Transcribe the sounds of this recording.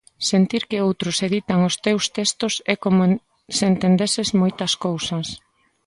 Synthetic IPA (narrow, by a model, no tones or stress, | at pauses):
sent̪iɾkɪowt̪ɾʊseðit̪aŋʊst̪ewst̪est̪ʊsɛkomo | sent̪end̪esezmojt̪ɐskowsɐs